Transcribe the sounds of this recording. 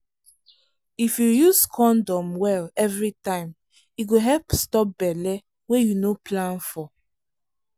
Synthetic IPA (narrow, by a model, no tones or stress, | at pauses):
ifjujuzkʰɔ̃ndɔ̃mwɛlɛvɹitãɪ̃m | iɡoɦɛlpstɔp̚bɛlɛ | wejunoplãnfɔ